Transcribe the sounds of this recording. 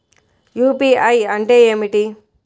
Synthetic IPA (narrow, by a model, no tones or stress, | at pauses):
juːpiɐjɐɳʈeemiʈi